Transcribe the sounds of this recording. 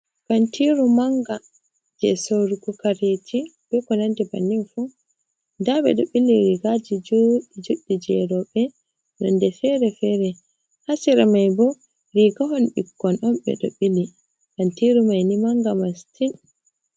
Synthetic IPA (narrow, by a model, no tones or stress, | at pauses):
kantiɾumaŋɡa | d͡ʒɛ̰soɾukɔkaɾetʰib̥ɛkɔnandiba̰nimfu | ndaɓɛ̰ɗoɓilːiɾiɡad͡ʒid͡ʒoɗid͡ʒoɗːid͡ʒɛɾɔɓɛ | nɔ̰ndɛfɛɾɛfɛɾɛ | hasiɾamajbɔ | ɾiɡaɦɔnɓikːɔnʔɔmɓɛ̰ɗo̰ɓili | kantiɾumajnimaŋɡamastin